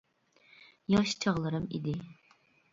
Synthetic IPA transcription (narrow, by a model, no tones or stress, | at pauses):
jɑʃt͡ʃʰɑʁlˠɨɾɨmḭd̪ɪ